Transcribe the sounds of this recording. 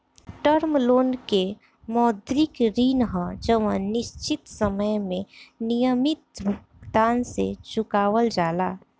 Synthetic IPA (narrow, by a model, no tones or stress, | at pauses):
ʈəɾmloːnke | mɔːd̪ɾɪkɾiːnɦə̃d͡ʒəʋə̰̃nɪʃt͡ʃɪt̪səməjmẽnijəmɪt̪̚bʱʊɡd̪aːnsḛt͡ʃʊkaːwəld͡ʒaːlaː